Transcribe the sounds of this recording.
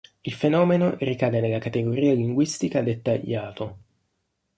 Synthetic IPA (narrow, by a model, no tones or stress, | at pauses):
ilfenɔːmenorikaːd̪enelːakat̪eɡoɾiːaliŋɡwist̪ikad̪et̪ːaʎːaːt̪o